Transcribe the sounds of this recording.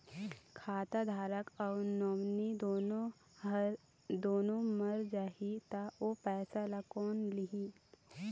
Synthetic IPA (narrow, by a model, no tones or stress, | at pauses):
kʰaːt̪ad̪ʱaːɾəkɔːnoːmnid̪o | d̪oːnõməɾd͡ʒaːɦit̪aopɛːsalakɔːnliɦĩ